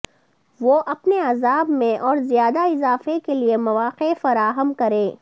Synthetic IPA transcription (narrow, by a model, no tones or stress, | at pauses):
ʋoːʔɐpneɐzaːbmẽʔɔːɾzijaːd̪aɪzaːfekeliemɐʋaːqefɐɾaːɦəmkɐɾẽː